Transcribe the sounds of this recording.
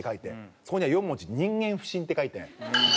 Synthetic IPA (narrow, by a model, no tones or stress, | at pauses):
ekait̪ḛsokoɲiajommot͡ɕiɲ̟ĩŋɡẽ̞ɰ̃ɸɯ̟̥ɕĩnt̪ekait̪ẽ